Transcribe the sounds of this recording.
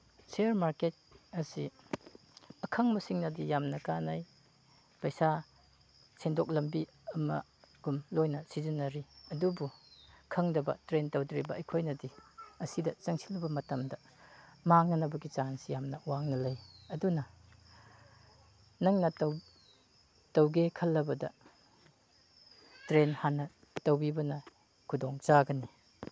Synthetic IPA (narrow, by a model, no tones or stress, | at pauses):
seɾmaɾket̚ɐsi | ɐkʰɐŋmɐsiŋnɐdijamnɐkanaj | pɐjsa | sʰendok̚lɐmbi | ɐmɐ̰ | ɡ̥umlojnɐsizinːɐɾiɐdubukʰɐŋdɐbɐ̰tɾentɐwdɾibɐɐjkʰojnɐdiɐsidɐt͡ʃɐŋsi̥lɐbɐmɐtɐmdɐ | maŋnɐnɐbɐɡit͡ʃansijamnɐwaŋnɐlɐjɐdunɐ | nɐŋnɐtɐw | tɐwɡekʰɐlːɐbɐdɐ̰ | tɾenhanɐ | tɐwbibɐnɐ | kʰudoŋzaɡɐni